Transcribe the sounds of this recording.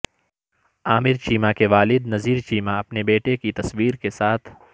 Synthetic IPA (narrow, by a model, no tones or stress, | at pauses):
aːmɪɾt͡ʃiːmakeʋaːlɪd̪nɐziːɾt͡ʃiːmaɐpnebeːʈekit̪ɐswiːɾkesaːt̪ʰ